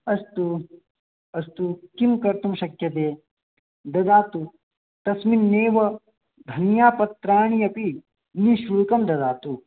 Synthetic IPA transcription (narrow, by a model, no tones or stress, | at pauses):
ɐst̪u | ɐst̪ukimkɐɾt̪umʃɐkjɐt̪eː | d̪ɐd̪aːt̪u | t̪ɐsminːeːʋɐ | d̪ʱɐnjaːpɐt̪ɾaːɳ̃ijɐpi | niʃuɭkɐmd̪ɐd̪aːt̪u